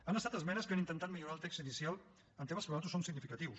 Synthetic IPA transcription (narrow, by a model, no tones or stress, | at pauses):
anəst̪at̪əzmɛnəskanint̪ənt̪at̪̚miʎuɾalˠt̪ɛkst̪iðisjalˠ | ənt̪eβəspɾwt̪usomsiɡnifikət̪iws